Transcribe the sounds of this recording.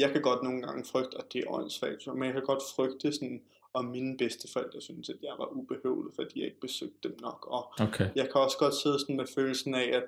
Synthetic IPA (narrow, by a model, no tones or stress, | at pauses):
jɑ̈ɪkʰæɡ̥ɒ̽d̥no̝ːn̩ɡ̥ɑ̈ŋəfʁœɡ̥̚d̥ɒd̥e̝æʔɒɪ̰nsʋɛ̰̥ːt͡sʰumenjɑkʰæɡ̥ɒ̽d̥fʁœɡ̥d̥əsɒn | ɒ̽minəb̥esd̥əfɛl̰d̥ɑsynsæd̥jɑ̈ɪʋɑ̈ʔub̥e̝hḛːʊlifɐd̥ihɑ̈e̝ɡ̥əb̥e̝søɡ̥̚d̥ːemnɒ̽ɡ̥ɒ̽okʰejɑ̈ɪkʰæɒ̽sɡ̥ɒ̽d̥se̝ð̞ˠsɒn̩meføːl̩sn̩ææd̥